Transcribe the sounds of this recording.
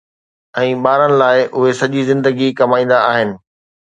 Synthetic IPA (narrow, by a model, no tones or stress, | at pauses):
ɛ̃ːɓaːɾənɪ̆laːɪʔʊɦesɐʄizɪ̃nd̪əɡikɐmaːĩːn̆d̪aaːɦɪnɪ̆